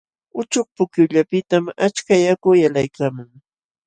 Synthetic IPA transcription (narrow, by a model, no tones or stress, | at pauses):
ʊt͡ʃʊχ̚pʊkjʊʎapɪt̪amat͡ʃkajakʊjalajkamʊŋ